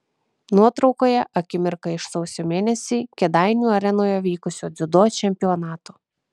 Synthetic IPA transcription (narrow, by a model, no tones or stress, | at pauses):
nuɔt̪ɾɒʊkoːjɛʔɐkʲɪmʲɪɾkɐɪʃsɐʊsʲoːmʲeːnʲɛsʲiːkʲɛd̪ɑɪnʲuːɐɾʲɛnoːjoʋʲiːkʊsʲoːd̪zʲʊd̪oːt͡ʃʲɛmʲpʲɪɔnɑːt̪oː